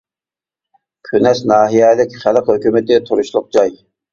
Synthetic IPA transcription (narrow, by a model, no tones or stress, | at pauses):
kʲʰynɛʃnɑːɦijɛlɪkʲχælˠəqhøkʲymɪt̪ɪt̪ʰuɾuʃlˠʊq̚d͡ʒɑj